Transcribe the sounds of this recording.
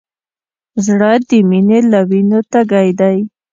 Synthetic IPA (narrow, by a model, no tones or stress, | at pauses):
zɽəd̪əminelawinot̪aɡajd̪aj